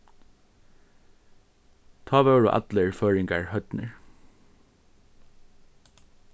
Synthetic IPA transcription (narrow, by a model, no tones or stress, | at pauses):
t̪ʰɑːʋeːɹṵʔæ̰t̪ləɹføːɹɪŋɡæ̰ɹhœt̪nə̰ɹ